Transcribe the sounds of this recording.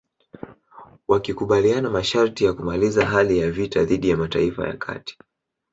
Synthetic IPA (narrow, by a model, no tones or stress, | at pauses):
wakikuɓalianamaʃaɾtijakumalizaɦalijavitaðiɗijamata̰ifa̰ja̰kʰa̰ti̥